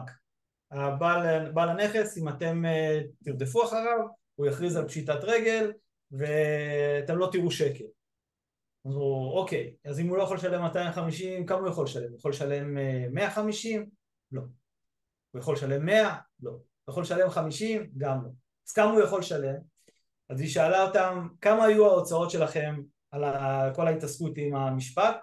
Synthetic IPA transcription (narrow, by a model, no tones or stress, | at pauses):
k | abalbalane̞χe̞simat̪e̞mt̪iʁd̪e̞f̬uaχaʁav | ujaχʁizalpʃitatʁe̞ɡe̞l | ve̞at̪e̞mlo̞t̪iʁuʃe̞ke̞l | auo̞ke̞jazimulojaχo̞lʃale̞mːat̪ajimχamiʃimkamujaχo̞lʃale̞mujaχo̞lʃale̞mːe̞aχamiʃim | lo̞ | ujaχo̞lʃale̞mːe̞a | lo̞ | ujaχo̞lʃale̞mχamiʃimɡamlo | az̥kamaujaχo̞lʃale̞m | aziʃaːlaot̪amkamaːjuaot͡sao̞tʃe̞laχe̞m | alako̞laitaskutimamiʃpat̚